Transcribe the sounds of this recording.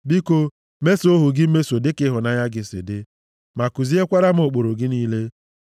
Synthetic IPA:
bi˦ko˦ | me˦so˦ɦu˨ɡɪ˦m̩˦me˦so˨dɪ˦kɪ˦ɦʊ˨na˦ja˦ɡɪ˦sɪ̰˨dɪ˦ | ma˨ku˨zi˦e˦kʷa˦ɾa˦m̩˦o˨k͡po˨ɾo˨ɡɪ˦niː˦le˦

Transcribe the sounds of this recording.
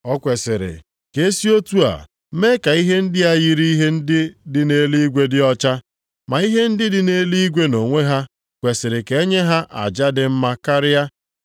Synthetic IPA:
ɔ˦kʷe˨sɪ˨ɾɪ̰˨ | ke˨˦si˦o˦tu˦a̰˨˦ | me˦ka˨i˦ɦe˦n̩˦dɪ˦a˦ji˦ɾi˦i˦ɦe˦n̩˦dɪ˦dɪ˦ne˦li˦ɡʷe˦dɪ˦ɔ˦t͡ʃa˦ | ma˨i˦ɦe˦n̩˦dɪ˦dɪ˦ne˦li˦ɡʷe˦no˨ŋʷe˦ɦa˦ | kʷe˨sɪ˨ɾɪ˨ke˨e˦ɲe˦ɦa˦ʔa̰˨d͡ʒa˦dɪ˦m̩˦ma˦ka˦ɾɪ˦a˦

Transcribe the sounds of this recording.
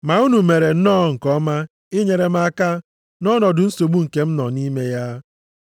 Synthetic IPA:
ma˨u˦nu˨me˨ɾe˨n̩˦nɔ˦ŋ̩˨kɔ˦ma˦ | ɪ˦ɲe˨ɾe˨ma˦ka˦ | nɔ˦nɔ˨dʊ˨n̩˦so˨ɡ͡bu˦ŋ̩˨ke˦m̩˦nɔ˨ni˦me˦ja˦

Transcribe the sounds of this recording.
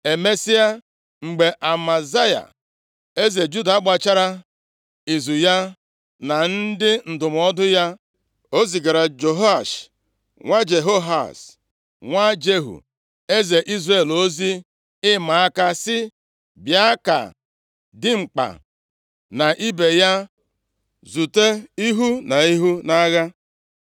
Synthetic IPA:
e˨me˦si˦ja˦ | ŋ͡m̩˨ɡ͡be˨ʔa˨ma˨za˦ja̰˨ | e˦ze˨d͡ʒu˦da˨a˦ɡ͡ba˨t͡ʃa˦ɾa˦ | i˨zu˨ja˦ | na˨n̩˦dɪ˦n̩˨dʊ˨m˨ɔ˦dʊ˦ja˦ | o˦zi˨ɡa˨ɾa˨d͡ʒo˨ɦa˦˨ʃ | ŋʷa˦d͡ʒe˨ɦo˦ɦa̰˨s | ŋʷa˦d͡ʒe˦ɦṵ˨ | e˦ze˨ʔi˦zre˨lo˦zi˦ | ɪ˦ma˨a˦ka˦sɪ˦ | bja˦ka̰˨ | dɪ˦ŋ͡m̩˨k͡pa̰˨ | na˨ʔi˦be˨ja˦ | zu˨te˦i˦ɦu˦na˨i˦ɦu˦na˦ɣa˦

